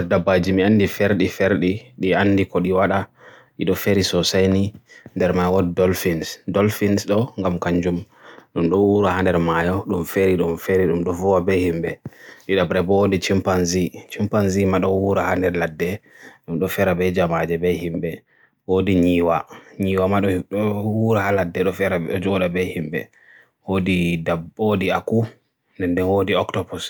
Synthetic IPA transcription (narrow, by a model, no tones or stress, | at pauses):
ɛdabːad͡ʒimianːdifeɾɗifeɾɗiɗianːdikɔɗiwaɗaɗiɗɔfeɾisɔsajnindɛɾmajwɔddɔlfinsdɔlfinsɗɔŋɡamkaɲd͡ʒumɗumɗɔwuɾahandɛɾmajɔɗumfeɾiɗumfeɾiɗumɗɔvɔwabɛhimbɛɗiɗabɾɛbɔodit͡ʃimpanzit͡ʃimpanzimaɗɔwuɾahandɛɾladːɛɗumɗɔfɛɾabɛd͡ʒamad͡ʒɛbɛhimbɛ | wodiɲiːwaɲiːwamaɗɔɗɔwuɾahaladːɛɗɔfɛɾaɔd͡ʒɔɗabɛhimbɛ̰ | wodidabodiaku | ndɛndɛnwodiɔktɔbɔs